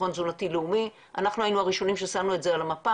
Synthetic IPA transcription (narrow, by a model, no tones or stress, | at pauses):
onzunatileumi | ʔa̰naχnuajinuaʁiʃo̞nimʃesanue̞tzealamapa